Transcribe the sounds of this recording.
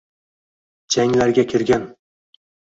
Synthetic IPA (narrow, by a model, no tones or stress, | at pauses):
d͡ʒaŋlaɾɡʲakʲʰɪɾɡʲan